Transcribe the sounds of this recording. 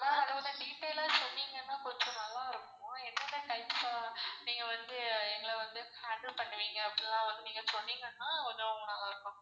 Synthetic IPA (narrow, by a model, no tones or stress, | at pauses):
nãːɐɽɐʋɐnɯɖiːʈːeːlaːsɔnːiːŋɡɐnːãːkɔɲd͡ʒɔ̃nɐlːãːɪɾɯkːʊõɛnːɐnãːkɐjpaniːŋɡɐʋɐnd̪ɯɛŋɡɐɭʋɐnd̪ɯhaːɖlpɐɳːɯʋiːŋɡɐːpːɐɽilãːʋɐnd̪ɯniːŋɡɐsɔnːiːŋɡɐnːaːɔɲd͡ʒɐʊŋɡɐnɐlːãːɪɾɯkːʊ̃